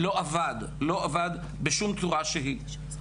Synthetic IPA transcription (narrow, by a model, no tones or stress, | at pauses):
lo̞ʔavad̪ | lo̞ʔavad̪ | beʃumt͡suʁaʃeɦi